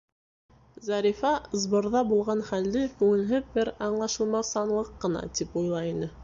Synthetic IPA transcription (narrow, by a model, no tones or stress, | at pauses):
zɑɾʲifɑzbŏɾðɑbulˠʁɑnχæld̪ɘkʉŋɘ̆lɦɘbɘɾɑɴlˠɑʃɤ̆lˠmɑsɑnlˠɤqːɤ̆nɑ̰t̪ipujlˠɑinɘ